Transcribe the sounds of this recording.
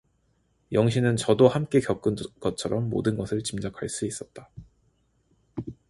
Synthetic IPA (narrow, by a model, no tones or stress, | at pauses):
jʌŋɕ̬ʰinɯnt͡ɕʌdohamk͈e̞kjʌk͈unɡ̥ʌt̚t͡ɕʰʌɾʔʌmːo̰dɯnɡʌsʰɯɭt͡ɕimd͡ʑʌkʰaɭs͈uis͈ʌt̚t͈a